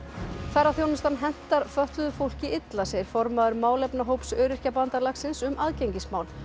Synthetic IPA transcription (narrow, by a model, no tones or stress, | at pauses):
θɛɾawθjownɪst̪anɦɛn̥t̪aɾfœht̪lʏðʏfowl̥cɪʔɪt̪lasɛɾ̥fɔɾmaðʏɾmaːwlɛpnaɦowpsœːɾɪr̥capant̪aɾlaxsɪnsʏmʔaðcejɲcɪsmaːwl